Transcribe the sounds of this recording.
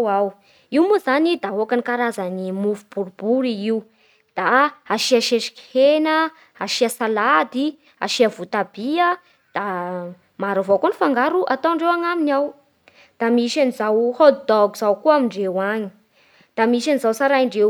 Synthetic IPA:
aw | iwmuzanid̪aɦokanikaɾazanimufub̥uɾubuɾiiw | d̪̥aaʃiaʃeʃi̥ki̥henə | aʃiasalad̪i | a̰ʃiavut̪abiə | d̪̥a | maɾavokonifaŋɡaɾuʔat̪aɳɖ͡ʐewaŋaminaw | d̪̥amiʃanizawhod̪d̪ɔɡuzawkuamiɳɖ͡ʐewaɲi̥ | d̪̥amiʃanizawsaɾaiɳɖ͡ʐe

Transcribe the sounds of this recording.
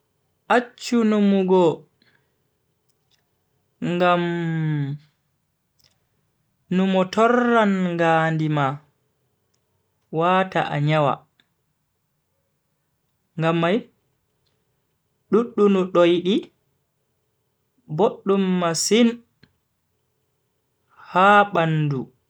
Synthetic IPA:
ʔat͡ʃːunumuɡɔ | ŋɡam | numɔtɔrːanŋɡaːndima | wata̰ʔa̰ɲawa̰ | ŋɡamːaj | ɗuɗːunuɗojɗi | boɗːumːasin | haːɓandṵ

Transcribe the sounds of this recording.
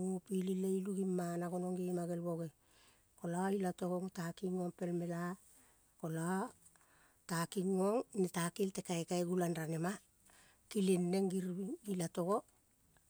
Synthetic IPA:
pilileiluɡimːanaɡo̞no̞ŋɡimaɡe̞lbo̞ɡe | ko̞lailato̞ɡoŋtakiŋoŋpe̞lme̞la | ko̞la | takiŋoŋnitakilte̞kaekaeɡulanɾanema | kilenːeŋɡiɾiɡilato̞ɡo

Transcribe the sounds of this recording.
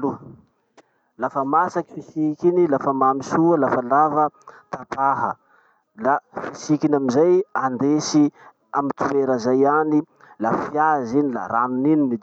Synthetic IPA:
lu | lafəmasaki̥fisikʲinilafəmamisuəlafəlavət̪apaɦə | lafisikinamizajand̪esi | amit̪ueɾəzajani | lafjazinila̰ɾanuninimid̪

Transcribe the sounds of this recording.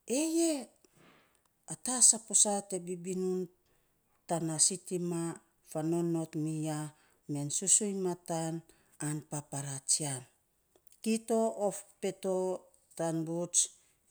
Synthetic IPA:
e̞je̞ | atasaposate̞bibinun | tanasitima | fano̞nːo̞tmija | me̞nsusujnmatan | anpapaɾat͡ʃian | kito̞ofpe̞to̞ | tanbut͡ʃ

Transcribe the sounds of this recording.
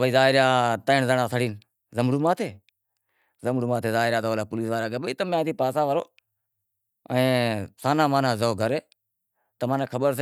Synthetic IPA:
bəiːzaːɦɪɾjaːt̪əɪɳzəɳãːsəɽiːn | zəmɽuːmaːt̪ʰeː | zəmɽuːmãːt̪ʰeːzaːɦɪɾjaːt̪oːlaːpʊliːsʋaːɾaːɡəbəiːt̪əmẽaːt̪ʰiːpaːsaːʋəɾoː | ə̃ːsaːnãːmãːnãːzoːɡʱəɾeː | t̪əmãːneːkʰəɓəɾs̬

